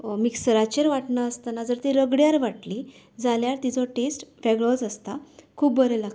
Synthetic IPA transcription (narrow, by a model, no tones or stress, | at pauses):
miksɾat͡ɕeɾʋaʈɳaəst̪anad͡zəɾt̪iɾəɡɽjaɾʋaʈli | d͡zaljaɾt̪it͡sɔʈesʈʋɛɡɭɔd͡zəst̪akʰuːbbəɾela